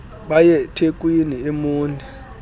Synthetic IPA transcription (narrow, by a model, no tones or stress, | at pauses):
ɓajɛtʰek̬ʼwiniemuːndʱi